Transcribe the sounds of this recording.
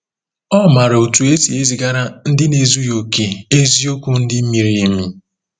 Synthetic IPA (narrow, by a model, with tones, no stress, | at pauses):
ɔ˦ma˨ɾa˨o˨tu˨e˦si˨e˦zi˨ɡa˦ɾa˦n̩˦dɪ˦ne˨zu˦jo˨ke˨e˦zi˦o˦ku˦n̩˦dɪ˦m̩˦mi˨ɾi˨˦i˦mi˦